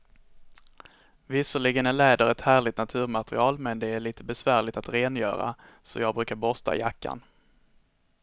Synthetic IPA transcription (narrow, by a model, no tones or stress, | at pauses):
vɪsəɭɪɡənæɭɛːd̪əɾɛt̪hæːɭɪt̪nat̪ʰʉ̟ːɾmat̪ɾɪ̰ɑːlmɛnd̪ɛæɭiːt̪ʰəbɛsvæːɭɪt̪at̪ɾeːnjœ̰ːɾa̰ | sɔ̰jɑːɡ̚bɾʉ̟ːkaɾbɔst̪ʰa̰jakːa̰n